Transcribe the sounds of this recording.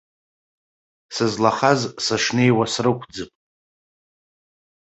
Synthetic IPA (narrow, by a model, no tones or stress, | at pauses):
sɨzlaχazsaʂne̞jwasrɨkʷʰd͡zɨpʼ